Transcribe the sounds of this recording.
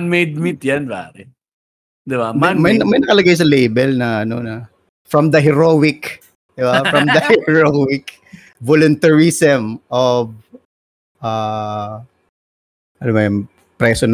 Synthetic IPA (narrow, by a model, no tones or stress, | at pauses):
nmejd̪̚mit̪janpa̰ːɾɛ | d̪ɪbamamɐjnmɐjnɐkɐlɐɡajs̬ɐlejbɛlnɐʔɐnonɐ | fɹɐmd̪ɐɦɛɹowɪk | d̪̥ɪbafɹɐmd̪ɐhɛhɛɹowɪk | volʊnt̪ɐɹisɛmʔov | ʔa | ʔɐnomɐjm | pɾɛːson